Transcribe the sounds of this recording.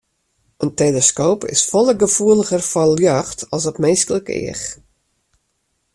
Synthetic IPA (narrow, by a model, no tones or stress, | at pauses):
ənteləskoːpʰɪ̰sfɔlˠəɡəfuəlˠəɣərfɔljœxtʰɔlˠsɔtmenskələkɪ̰əx